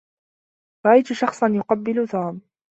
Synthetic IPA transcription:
ɾˤɑʔajt̪ʊʃɑxsˤɑnjʊqɑbːɪlʊt̪aːm

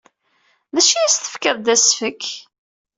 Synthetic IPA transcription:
ðæʃijæst̪ə̥fkəðd̪æsfəkː

